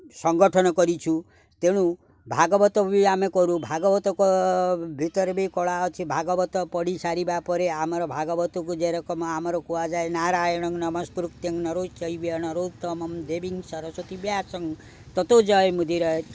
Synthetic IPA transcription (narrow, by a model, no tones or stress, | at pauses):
sɔŋɡɔʈʰɔnɔkɔɾit͡ʃʰu | t̪eɽ̃u | bʱaɡɔbɔt̪ɔbiamekɔɾubʱaɡɔbɔt̪ɔkɔbʱit̪ɔɾbikɔɭaɔt͡ʃʰibʱaɡɔbɔt̪ɔpɔɽisaɾibapɔɾeamɔɾɔbʱaɡɔbɔt̪ɔkud͡ʒeɾɔkɔmamɔɾɔkuwad͡ʒaenaɾajɔɽ̃ɔŋnɔmɔspuɾuk̚t̪jeŋnɔɾod͡ʒt͡ʃɔibiɔnɔɾod͡ʒt̪ɔmɔmd̪ebiŋsɔɾɔsot̪ibjasɔŋ | t̪ɔt̪od͡ʒɔjmud̪ʱiɾɔ